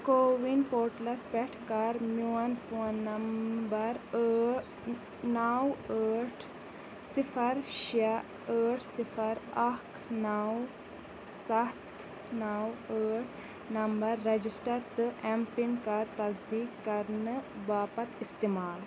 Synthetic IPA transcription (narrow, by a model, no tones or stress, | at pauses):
koːʋinpoːɾʈlɐspɛʈʰkɐɾmjuɐnfoːnːɐmbɐɾə | nawəːʈʰ | sifɐɾʃɐ | əːʈʰsifɐɾɐkʰ | naw | sɐt̪ | nawəːʈʰ | nɐmbɐɾːɐd͡ʒisʈɐɾt̪ɨʔempinkaɐɾt̪ɐzd̪iːkːɐɾnɨbaːpɐt̪ist̪imaːl